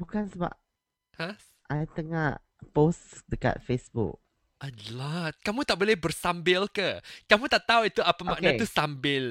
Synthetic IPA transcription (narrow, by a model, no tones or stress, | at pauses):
bukansəba̰p̚ | has | ʔajt̪əŋaʔ | posdəka̰t̪̚fesbṵk̚ | ʔət̪lat̪̚kamũt̪aʔ̚bolɛhbərsambɪlkəkamũt̪aʔt̪auwit̪uapamaknat̪usambɪl